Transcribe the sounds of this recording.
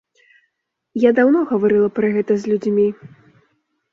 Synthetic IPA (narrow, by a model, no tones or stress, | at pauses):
jad̪awnɔɣɐvaɾɨlˠɐpɾɐɣɛt̪ɐzʲlʲud͡zʲmʲi